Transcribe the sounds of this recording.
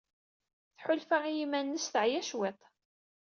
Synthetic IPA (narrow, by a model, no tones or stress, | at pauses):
θħʊlfaʁijimænːəsθəʕjæʃwet̪ˤ